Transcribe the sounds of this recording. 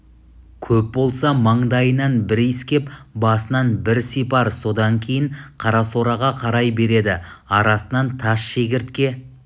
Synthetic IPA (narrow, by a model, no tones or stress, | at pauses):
kʲʰɵp̚bo̞lˠsɑmɑɴd̪ɑjənɑnbɪɾiskʲe̞pbɑsənɑnbɪɾsijpɑɾso̞d̪ɑŋkʲʰejɪɴqʰɑɾɑso̞ɾɑʁɑqʰɑɾɑjbe̞ɾe̞d̪ɪɑɾɑsənɑnt̪ʰɑʃʃekʲɪɾt̪kʲe̞